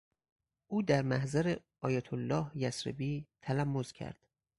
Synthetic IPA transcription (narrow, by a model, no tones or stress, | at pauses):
ʔuːd̪æɾmæhzæɾe | ɒːjɒːt̪ʰolːɒːhjæsɾḛbiːt̪ʰælæmːozcʰæ̰ɾd̪̥